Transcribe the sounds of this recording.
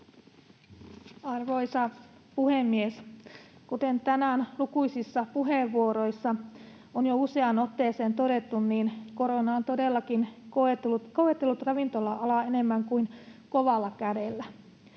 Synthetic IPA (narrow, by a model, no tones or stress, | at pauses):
ɑrʋo̞jsɑpuhemːieskut̪ent̪ænænlukujsisːɑpuɦeʋːuoɾo̞jsːɑ | onjouse̞ɑno̞t̪ːeːseːnt̪o̞de̞t̪ːunniːnko̞ɾo̞nɑont̪odelːɑkinkoetkoet̪ːelːut̪rɑʋint̪o̞lːɑɑlɑene̞mːæŋkuinkoʋɑlːɑkæde̞lːæ